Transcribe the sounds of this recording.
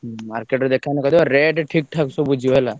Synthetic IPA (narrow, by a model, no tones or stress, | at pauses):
maɾkeʈɾɔd̪ekʰanɛkad̪ibaɾeɖʈʰik̚ʈʰaksɔbud͡ʒʱiɔla